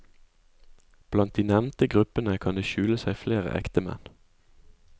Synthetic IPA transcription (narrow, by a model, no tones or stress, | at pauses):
b̥lɑnt̪̚d̪iːnɛʋnt̪əɡʁʉpənəkʰɑnd̪eːʃʉːləsæɪfleːʁə̰ʔɛ̰kt̪əmɛ̰n